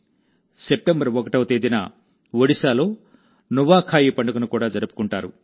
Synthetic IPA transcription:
sep̚ʈembɐɾʋɔkɐʈɐwɐt̪eːd̪inɐ̰ | ʋoɽisaːloː | nuʋaːkʰaːjipɐɳɖɐkunukuːɽaːd͡ʒɐɾupu̥kuɳʈaːɾṵ

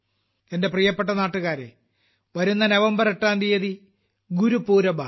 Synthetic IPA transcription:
ende̞prijɐpːe̞ʈ̬ːɐnaːʈːuɣaːɾḛ | ʋɐɾunːɐneʋɐmbɐreʈːaːnd̪ijɐði | ɡuɾupːuːɾɐba

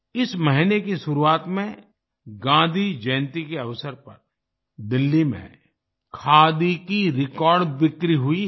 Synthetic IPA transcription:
ɪsməɦinekiʃʊɾuaːt̪mẽ | ɡãːd̪ʱid͡ʒəj̃nt̪ikeɐʋsəɾpɐ̰ɾ | d̪ɪlːimḛ̃ | kʰaːd̪ikiɾɪkɔːɾɖbɪkɾiɦʊi

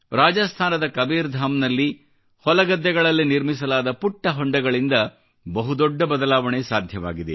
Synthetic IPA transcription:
ɾaːd͡ʒɐst̪ʰaːnɐd̪ɐkɐbiːɾd̪ʱaːmnɐlːi | hɔlɐɡɐd̪ːɛɡɐɭɐlːiniɾmisɐlaːd̪ɐpuʈːɐɦɔɳɖɐɡɐɭind̪ɐ | bɐɦud̪ɔɖːɐbɐd̪ɐlaːʋɐɳesaːd̪ʱjɐʋa̰ːɡid̪e

